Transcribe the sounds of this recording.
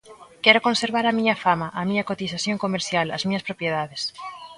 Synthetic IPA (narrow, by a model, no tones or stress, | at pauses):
kɛɾokõnseɾβaɾɐmiɲɐfamɐʔɐmiɲɐkot̪isaθjoŋkomeɾsjalɐ̰zmiɲɐspɾopjeðaðes